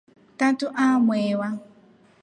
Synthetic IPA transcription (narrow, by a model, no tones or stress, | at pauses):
tatʊʔamʷewa